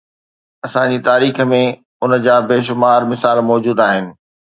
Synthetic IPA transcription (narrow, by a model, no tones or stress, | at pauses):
ɐsãd͡ʑit̪aːɾiːxə̆mẽ | ʊnəd͡ʑaːbeːʃʊmaːɾmɪsaːlmɔːd͡ʑuːd̪aːɦɪnɪ̆